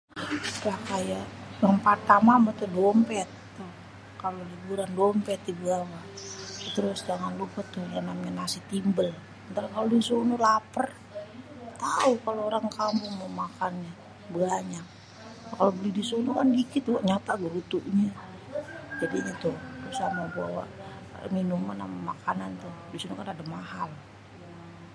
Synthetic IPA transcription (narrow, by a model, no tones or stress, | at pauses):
tlakajajampart̪amamat̪ʊdɔmpɛt̪ːoh | kalolibuɾandɔmpɛt̪̚dibəawa | t̪əɾʊsd͡ʒaŋanlupət̪ːʊhjanamɲanasɪht̪imbəl | ənt̪alakalodisonulapər | t̪aukaloːɾaŋkampʊŋmomakanɲa | bəaɲak̚ | kalobəlidisunukandikɪt̪̚ɡuaʔɲat̪aɡəɾut̪uʔɲa | d͡ʒadiɲat̪ʊhrusahmaba̰wa̰ʔminumana̰mamakanant̪ʊhdisunukanadamaɦal